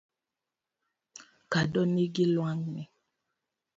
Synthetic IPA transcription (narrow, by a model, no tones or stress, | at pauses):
kadɔneɡilwaŋnɛ